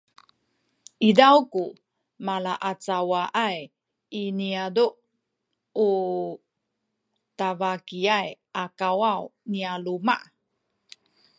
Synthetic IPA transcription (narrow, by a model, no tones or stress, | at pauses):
ʔidawku | malaʔat͡sawaʔaj | iniaduʔ | u | tavakiajʔakawawnialuma̰ʔ